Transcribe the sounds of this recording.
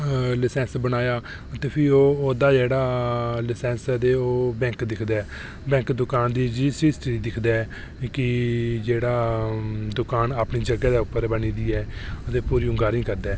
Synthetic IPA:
lɪsɛ̃ːnsbənaːjaː | ət̪eːpʰɪoːoːd̪aːd͡ʒeːɽaːlɪsɛ̃ːnsət̪̬eːoːbɛ̃ːŋkd̪ɪkʰd̪ɛː | bɛ̃ːŋkd̪ʊkaːnd̪iːd͡ʒiːsiːsʈɾiːd̪ɪkʰd̪ɛː | kɪd͡ʒeːɽaː | d̪ʊkaːnaːpniːd͡ʒəɡɛːd̪aːʊpːəɾbəniːd̪iːɛːət̪eːpuːɾiːʊŋɡaːɾĩːkəɾd̪ɛː

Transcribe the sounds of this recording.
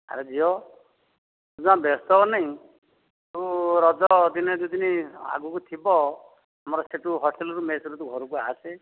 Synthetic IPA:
ɦa̰ɾed͡zijo | ud͡zãbest̪ɔnajĩ | t̪uɾɔd͡zɔd̪ined̪ud̪inia̰ɡukut̪ʰibɔ | ɦamɔɾɔseʈuɦɔsʈelɔɾumesɔɾut̪uɡʱɔɾukuase

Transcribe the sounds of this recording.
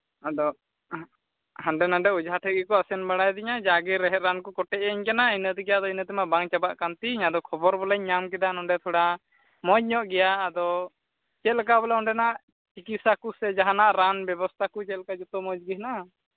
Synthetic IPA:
ad̪ɔ | haɳɖɛnaɖɛud͡ʒɦaʈʰəɡikɔasɛnbaɽajd̪ɛɲad͡ʒaɡiɾɛɦɛɾankɔkɔʈɛʔəɲkanainət̪ɛɡɛjad̪ɔinət̪ɛmaʔbaŋt͡ʃabaʔkant̪iɲad̪ɔkʰɔbɔɾbɔlɛɲːamk̬ɛd̪anɔɳɖɛt̪ʰɔɽa | mɔd͡ʒɲɔʔɡɛjaːd̪ɔ | t͡ʃɛt̪̚lɛkabɔlɛɔɳɖɛnaʔ | t͡ʃikit̪sakusɛd͡ʒaɦanaʔɾanbɛbɔst̪ʰakut͡ʃɛt̪lɛkad͡ʒɔt̪ɔmɔd͡ʒɡiɦna

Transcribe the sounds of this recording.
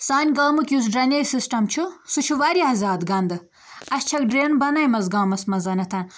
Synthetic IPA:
saːnʲɡaːmɨkʲjus̬ɖɾɐnʲejsisʈɐmt͡ʃʰusut͡ʃʰuʋɐɾiɐzaːd̪ɡɐnd̪ɨ | ɐst͡ʃʰɐk̚ɖɾeːnbɐnɐjmɐzɡɐːmɐsmɐzɐnɐt̪ʰɐn

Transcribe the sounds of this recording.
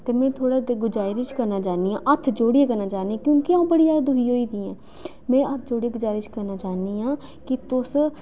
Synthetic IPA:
t̪eːmɛ̃ːt̪ʰoːɽaːɡʊd͡ʒaːɪɾɪt͡ʃkəɾnaːt͡ʃaːniːãːʔət̪ʰd͡ʒoːɽieːkəɾnaːt͡ʃaːnĩːkjõːkiãːbəɽiːd͡ʒaːdd̪ʊɦiːɦoːiːd̪iːɛ̃ː | mɛ̃ːət̪ʰd͡ʒoːɽieːɡʊd͡ʒaːɾɪt͡ʃkəɾnaːt͡ʃaːniːɦãː | kɪt̪ʊs

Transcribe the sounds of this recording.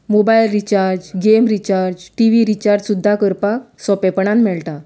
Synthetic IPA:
mobajlɾit͡ɕaɾd͡ʑɡemɾit͡ɕaɾd͡ʑʈiʋiɾit͡ɕaɾd͡ʑsud̪ʱːakəɾpaksɔpepɳãnmɛɭʈa

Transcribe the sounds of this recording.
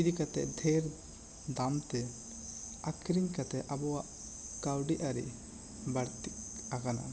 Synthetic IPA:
id̪ikat̪ɛ̰ʔd̪ʱɛɾ | d̪amt̪ɛ | akɾiɲkat̪ɛʔabɔwaʔ | kawɖiʔaɾḭʔ | baɽt̪ik | akana̰

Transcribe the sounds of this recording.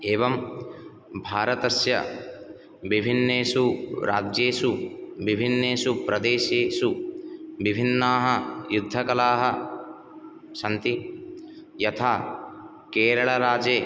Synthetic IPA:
eːʋɐm | bʱaːɾɐt̪ɐsjɐ̰ | ʋibʱinːeːsuɾaːd͡ʒjeːsuʋibʱinːeːsupɾɐd̪eːʃeːsu | ʋibʱinːaːɦɐjud̪ʱːɐkɐlaːɦɐ | ʃɐnt̪i | jɐt̪ʰaː | keːɾɐɭɐɾaːd͡ʒeː

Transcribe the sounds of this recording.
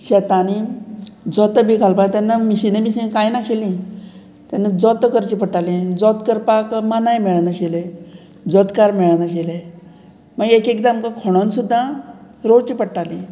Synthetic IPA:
ɕɛt̪ani | d͡zɔt̪əbʱikalpat̪anːamiɕinemiɕinkajnaɕilĩ | t̪janːad͡zɔt̪əkəɾt͡ɕipəʈalĩd͡zɔt̪kəɾpakmanajmeɭənəɕele | d͡zɔt̪kaɾmɛɭnaɕele | məɡekekd̪amkakʰɔɽ̃onsud̪ʱːa | ɾot͡ɕipəʈalĩ

